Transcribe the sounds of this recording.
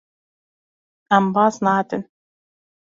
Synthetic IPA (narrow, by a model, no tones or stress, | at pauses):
ambaːsnaːt̪ɪn